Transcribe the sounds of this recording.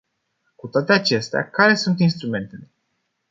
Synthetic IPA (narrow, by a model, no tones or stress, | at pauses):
kut̪oat̪e̞at͡ʃe̞st̪ea̰kaɾe̞sunt̪inst̪ɾume̞nt̪e̞le